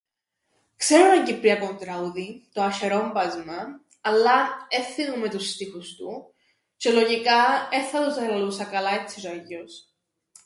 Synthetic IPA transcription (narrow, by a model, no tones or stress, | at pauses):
kse̞ɾunɐɲɟipɾiɐkont̪ɾɐuðit̪oɐʃeɾo̞mbɐzmɐ | ɐlːɐeθinume̞t̪ust̪ixust̪u | t͡ʃe̞lo̞ʝikɐeθɐt̪uzɐɾɐlusɐkɐlɐet͡sːisɐʝos